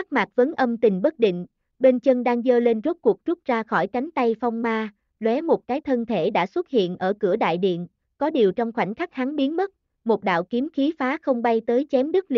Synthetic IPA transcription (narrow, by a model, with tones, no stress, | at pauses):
a˦˥k̚ma˨˩t̚və˨˦nʔə˧mt̪ï˨˩ŋ̟ɓə˦˥t̚ɗḭ̈˧˨ŋ̟ | ɓe˧nt͡ɕə˧ŋɗaː˧ŋzəː˧le˧nzo˦˥t̚ku˨˩ək̚t͡ɕu˦˥t̚zaː˧xɔ˧˩jka˨˦jŋ̟t̪a˧jfɔ˧wŋ͡mmaː˧ | lwɛ˨˦mo˨˩t̚kaː˨˦jt̪ʰə˧nt̪ʰe˧˩ɗa̰ː˧˥swə˦˥t̚hḭ˧˨ənʔəː˧˩kɨ˧˩əɗa̰ː˧˨jɗḭ˧˨ən | kɔ˨˦ɗi˨˩əwt͡ɕɔ˧wŋ͡mxwa˧˩jŋ̟xa˦˥k̚ha˨˦ŋɓi˨˦ənmə˦˥t̚ | mo˨˩t̚ɗa̰ː˧˨wki˨˦əmxi˨˦faː˨˦xə˧wŋ͡mɓa˧jt̪əː˨˦jt͡ɕɛ˨˦mɗɨ˦˥k̚l